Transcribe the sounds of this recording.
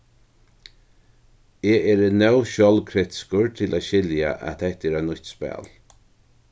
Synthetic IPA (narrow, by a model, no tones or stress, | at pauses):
eːeːɾənɛwʃœlkʰɾɪt̪ɪ̥skʊɹt̪ʰɪlʔaːɕɪlja̰ʔæ̰t̪ɛt̪ːɛːɾænʊçt̪spɛ̰ːl